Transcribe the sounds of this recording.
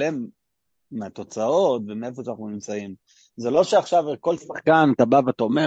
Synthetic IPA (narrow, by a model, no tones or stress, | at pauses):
lemː | eat̪o̞t͡sao̞t̪vemee̞foʃanaχnunimt͡saim | ze̞lo̞ʃeaχʃavko̞lsaχkanet̪abaveat̪aome